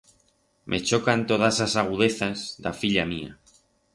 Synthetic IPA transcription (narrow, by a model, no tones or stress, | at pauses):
mʔe̞t͡ʃo̞kant̪o̞ð̞asasaɣ̞uðe̞θazd̪a̰fiʎamia̰